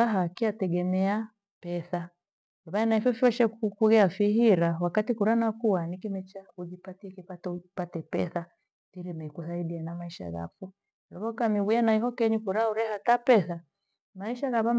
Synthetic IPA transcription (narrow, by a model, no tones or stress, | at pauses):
aɦakiatɛɡɛmɛa | pɛθa | aβaanaifɛfiɔʃɛkukuɣɛafihiɾawakatikuɾanakuwanikimɛt͡ʃaud͡ʒipatiɛkipatpatɛpɛ̰θa | tiɾimɛikuθaiɗiɛnamaiʃa̰ɣa̰fu | lɔβɔkamiwujanaiɦɔkɛɲukuɾauɾɛhatapɛθa | maiʃaɣaβam